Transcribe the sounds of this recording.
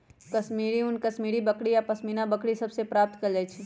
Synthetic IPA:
kɐsmiːɾiʊnkɐsmiːɽibɐkɽijapɐsmiːnabɐkɽisɐbsepɾaːp̚t̪kɐɾd͡ʒait͡ʃʰi

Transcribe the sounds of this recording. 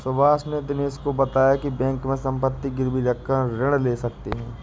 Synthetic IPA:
sʊbaːsned̪ɪneːskobɐt̪aːjakibɛ̃ːŋkmẽsɐ̃mpət̪ːiɡɪɾbiɾəkʰːə̃ɾɪɽ̃leːsɐk̚t̪eɦɛ̃ː

